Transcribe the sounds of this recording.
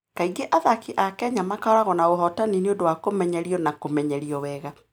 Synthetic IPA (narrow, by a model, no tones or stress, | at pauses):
kaiɡeʔaðakiʔakɛɲamakaɔɾaɣɔnaoɦɔtanineodowakomɛɲɛɾiɔnakomɛɲɛɾiɔwɛɣa